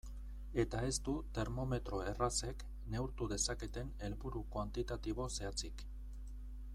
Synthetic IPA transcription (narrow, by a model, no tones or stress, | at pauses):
e̞t̪ae̞st̪ut̪e̞ɾmo̞me̞t̪ɾo̞e̞rase̞k | ne̞uɾt̪uðe̞sake̞t̪e̞ne̞lβuɾukwant̪it̪at̪iβ̞o̞se̞at͡sik